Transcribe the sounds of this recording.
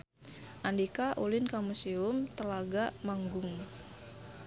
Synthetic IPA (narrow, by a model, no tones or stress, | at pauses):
ʔandikaʔulɪnkamuseʊmt̪əlaɡaʔmaŋɡʊŋ